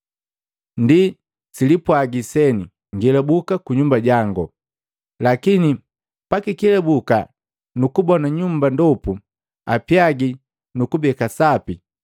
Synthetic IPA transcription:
ndi | silipwaɡisɛni | ŋɡilabukakuɲumbaɟaŋɡɔ | lakini | pakikilɛbuka | nukubɔnaɲumbandɔpu | apjaɡi | nukubɛkasapi

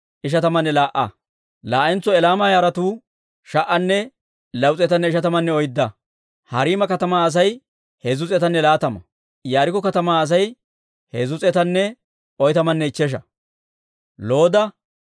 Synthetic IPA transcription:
ʔɪʃ̬ɐt̪ɐmɐnːɛlaːʔɐ̰ | laːʔɛnt͡sːɔɛlaːmaːjaːɾɐt̪uː | ʃɐʔɐnːɛ | lɐwt͡sʼɛt̪ɐnːɛɪʃɐt̪ɐmɐnːɛɔjd̪ːɐ | hɐɾiːmɐkɐt̪ɐmaːɐs̬ɐj | hɛzʊt͡sʼɛt̪ɐnːɛlaːt̪ɐmɐ | jaːɾɪkːɔkɐt̪ɐmaːɐs̬ɐj | hɛzʊt͡sʼɛt̪ɐnːɛ | ɔjt̪ɐmɐnːɛɪt͡ʃːɛʃ̬ɐ | lo̞ːd̪ɐ

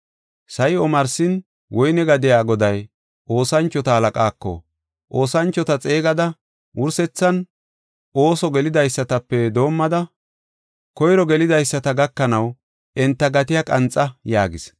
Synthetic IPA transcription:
sɐjɔmɐɾsɪn | wʔɔjnɛɡɐd̪ɪjaːɡɔd̪ɐj | ʔo̞ːsɐnt͡ʃːɔt̪ɐhɐlɐkʼaːkːɔ̰ | ʔo̞ːsɐnt͡ʃːɔt̪ɐt͡sʼe̞ːɡɐd̪ɐ | wʔʊɾsɛt͡sːɐn | o̞ːsɔɡɛlɪd̪ɐjsːɐt̪ɐpːɛd̪o̞ːmːɐd̪ɐ | kɔjɾɔɡɛlɪd̪ɐjsːɐt̪ɐɡɐkːɐnɐw | ɛnt̪ːɐɡɐt̪ɪjɐkʼɐnt͡sʼːɐjaːɡɪ̰s

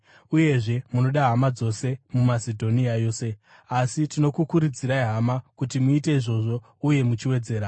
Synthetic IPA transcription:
uje̞ʐe̞muno̞ɗaɦamad͡zo̞se̞mumasedʱo̞niajo̞ːse̞ | asitino̞kukuɾud͡ziɾaiɦamakutimuite̞iʐo̞ʐo̞ | uje̞mut͡ʃiwe̞d͡ze̞ːɾa

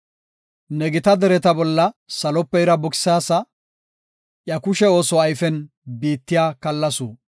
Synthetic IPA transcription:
nɛɡɪt̪ɐd̪ɛɾɛt̪ɐbɔlːɐsɐlɔpːɛɪɾɐbɔkɪ̥saːsɐ | ʔjɐkʊʃɛo̞ːsɔɐjfɛn | biːt̪ːɪjaːkɐlːɐsuː

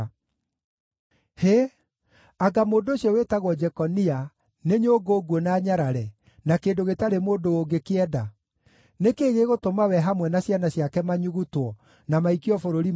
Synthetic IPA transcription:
he | aɡamoːndooɕjɔwetaɣwɔd͡ʒɛkɔnia | neɲoːɡoːɡwɔnaːɲaɾaɾɛ | nakeːdoɣetaɾemoːdooɡekeɛda | nekeːɣeɣotomawɛɦamwɛnaɕjanaɕjakɛmaɲuɣutwɔ | namaikiɔfoɾoɾi

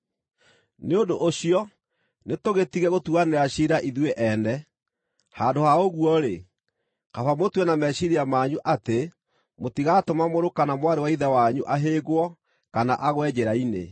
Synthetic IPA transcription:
neondoʔoɕiɔ | netoɣetiɣɛɣotuaneɾaɕiɾaʔiðweʔɛnɛ | haːndohaoɣuɔɾe | kafamotwɛnamɛɕiɾiamaɲuʔate | motiɣatomamoɾokanamwaɾewaiðɛwaɲuʔaɦeɡwɔ | kana̰ʔaɣwɛd͡ʑeɾainḛ

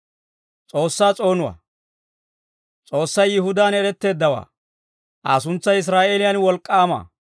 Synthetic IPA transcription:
t͡sʼo̞ːsːaːt͡sʼo̞ːnʊwa̰ː | t͡sʼo̞ːsːɐjːɪɦʊd̪aːnɛɾɛt̪ːe̞ːd̪ːɐwa̰ː | ʔasʊnt͡sːɐjɪs̬ɾaːʔeːlɪjɐnwɔlkʼːaːma̰ː

